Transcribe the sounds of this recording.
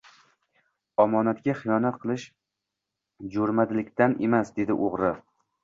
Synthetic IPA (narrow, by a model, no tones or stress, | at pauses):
ɒmɒnat̪ɡʲaχɨjɒnat̪̚qʰɨlˠɪʃ | d͡ʒoɾmad̪ɪlɪk̚ʲt̪anemasd̪e̞d̪ɪʔoʁɾɪ